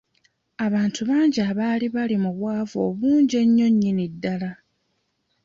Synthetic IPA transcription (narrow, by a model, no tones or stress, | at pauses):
aβaːntʰuβaːɲɟiaβaːliβalimuβwaːvo̞ːβuːɲɟe̞ɲːo̞ɲːinidːala